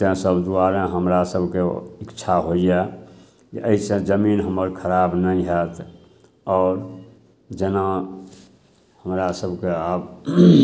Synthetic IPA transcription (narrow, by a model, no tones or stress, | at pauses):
ẽsəbd̪uaɾẽɦəmɾasəbʱkeɪkːt͡ʃʰaɦoije | kiʔəisẽd͡ʒəminɦəməɾkʰəɾabnəĩɦɛt̪ | ɔːɾ | d͡ʒena | həmɾasəbʱkeab